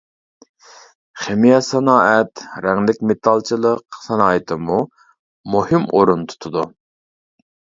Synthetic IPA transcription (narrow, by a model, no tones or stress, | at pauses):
χemijɑsɛnɑːɛt̪ɾɛŋlɪkʲmet̪ʰɑlˠt͡ʃʰilˠəqsɛnɑːɪt̪ʰɪmu | muhɪmoɾunt̪ʰu̥t̪ʰud̪u